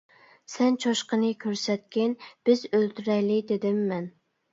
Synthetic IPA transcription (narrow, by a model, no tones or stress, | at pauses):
sɛnt͡ʃʰɑʃqənɨkʲʰøɾsɛt̪̚kʲɪnb̥ɪzølt̪yɾɛjlɪd̪ed̪ɪmːɛn